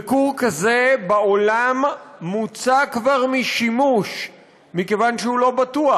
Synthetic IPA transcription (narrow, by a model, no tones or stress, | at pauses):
ikuʁkaze̞bao̞lamːut͡sakvaʁmiʃimuʃ | mike̞vanʃeulo̞batua